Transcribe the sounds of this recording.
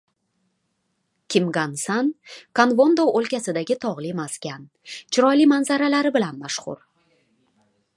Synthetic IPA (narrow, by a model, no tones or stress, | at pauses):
kʲʰɪmɡansankʰanvond̪owolkʲasɪd̪aɡʲɪt̪ʰɒʁlˠimaskʲan | t͡ʃʰɪɾɒjlimanzaɾalaɾɪbɪlanmaʃχʊ̰ɾ